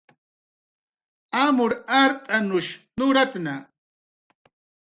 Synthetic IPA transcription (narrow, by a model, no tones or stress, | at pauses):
amʊɾaɾt̪ʼanʊʃnʊɾat̪na